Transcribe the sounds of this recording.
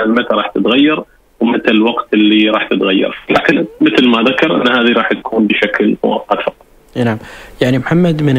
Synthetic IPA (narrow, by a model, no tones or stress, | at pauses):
almat̪ɾˤɑːħt̪ɪt̪ɣajːɑɾˤ | wmɪt̪lɪlwɑɡt̪ɪlːiɾˤɑːħt̪ɪt̪ɣajːɑ̰ɾˤla̰ːkɪnmɪt̪lmaðakɑɾˤʔɪ̰nːhaːðiɾˤɑːħt̪ḁkʰuːnbɪʃakl̰a̰ʔat̪fɑqːɑ | naʕmjaʕnimħamːad̪mɪn